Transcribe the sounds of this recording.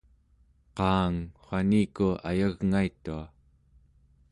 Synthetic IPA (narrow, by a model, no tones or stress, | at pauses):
qɑːŋχʷaniːkua̰jaɣŋait̪ːua